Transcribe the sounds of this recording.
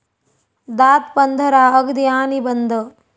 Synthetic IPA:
d̪aːt̪pɐnd̪ʱɐɾaːɐɡd̪ijaːnibɐnd̪ʱɐ

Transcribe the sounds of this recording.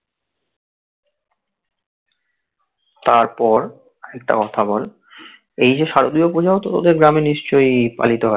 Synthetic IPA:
t̪aɾpɔɾ | ɛk̚ʈa̰kɔt̪ʰabɔl | ejd͡ʑeʃaɾod̪iopɾod͡ʑaot̪ot̪ɔ̰d̪eɾɡɾameniʃt͡ɕojpa̰lit̪oɦɔe

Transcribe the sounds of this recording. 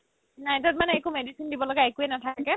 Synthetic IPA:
najtɔt̚manɛekumedisindibɔlɔɡaekuɛnatʰakɛ

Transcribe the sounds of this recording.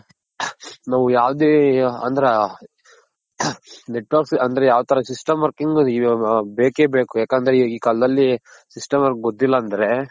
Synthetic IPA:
naːʋujaːʋd̪eːɐ̰nd̪ɐɾe | neʈʋɐɾksɐnd̪ɐɾejaːʋt̪ɐɾɐsisʈɐmʋɐɾkiŋɡ | beːkeːbeːkujaːkeːnd̪ɐɾeiːkaːlɐd̪ɐlːi | sisʈɐmʋɐɾkɡot̪ːilːɐːnd̪ɐɾe̞

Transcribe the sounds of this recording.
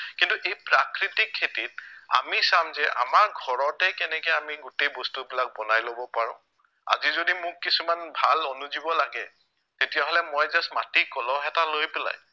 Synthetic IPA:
kintuʔejpɹakɹitikʰːetit̚a̰misamzɛʔa̰maɹɡʱɔɹɔtɛkɛnɛkɛamiɡutejbɔstubilak̚bɔnajlobɔpaɹɔ̰̃ | a̰zizodimʊkːisumanbʱalonuzibɔlaɡɛ | tetijaɦolɛmɔjzɛsmatikɔlɔ̃ɛtalojpɛla̰j

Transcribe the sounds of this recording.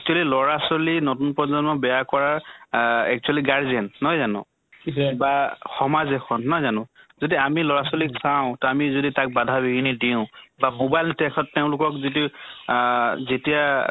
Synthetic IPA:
ɛk̚t͡ʃualilɔɹasɔlinotunpɔzɔnmɔbɛjakɔɹaɹ | ɛk̚t͡ʃualiɡaɹziɛnːɔjzanɔ̰̃ | baxɔmazɛxɔnːɔjzanʊ̃zodiamilɔɹasoliksaʊ̃tɔamizoditak̚badʱabiɡinidiʊ̃bamobajltɛkʰɔtːeʊ̃lʊkɔkzit̬i | zetija

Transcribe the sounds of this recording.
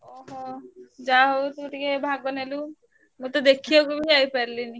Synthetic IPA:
ɔɦɔd͡ʒaɦowt̪uʈikebʱaɡ̚bɔnelu | mut̪ɔd̪ekʰijɔkubid͡ʒajpɛɾlini

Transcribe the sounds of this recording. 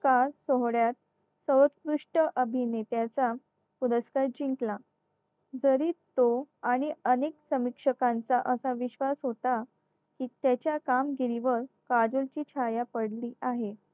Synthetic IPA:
kaɾsoɦɽjat̪̚ | səwət̪kɾuʂʈəʔəbʱinet̪jat͡sa | puɾəskaɾd͡ʑiŋkla | d͡zəɾiːt̪ːoaɽ̃iəneksəmikʂəkãnt͡saʔəsaʋiɕʋasɦot̪a | kiːt̪jat͡ɕjakamɡiɾiʋəɾkad͡ʑult͡ɕiːt͡ɕʰajapəɽliːʔaɦe

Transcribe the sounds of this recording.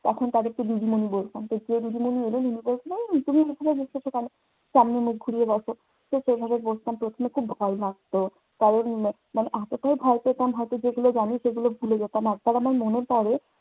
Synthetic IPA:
ɛkʰont̪ad̪eɾt̪oɾid̪ʱimonibolt̪amt̪od͡ʑed̪idimonielenenibolt͡ɕʰinat̪umiejbʱabed̪ekʰt͡ʃʰoʃekane | samnemuk̚ɡʱuɾieɡasʰo | ʃeʃejbʱabebolt͡ʃʰt̪ampɾot̪ʰomekʰubbʱɔelaɡ̚t̪o | t̪aɾe | maneʔat̪oʈajbʱɔepet̪amɦɔjt̪od͡ʑeɡulod͡ʑaniʃeɡulobʱuled͡ʑat̪amaɡ̚t̪aɾamaɾmoneɾpaɾe

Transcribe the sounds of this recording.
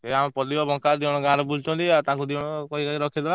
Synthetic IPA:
eamɔ̃pɔd̪ibɔbɔŋkad̪iɔɽ̃ɔɡãɾɔbud͡ʒt͡ʃɔnt̪iaɾt̪aãkud̪iɔɽ̃ɔkɔikakiɾɔkʰid̪eba

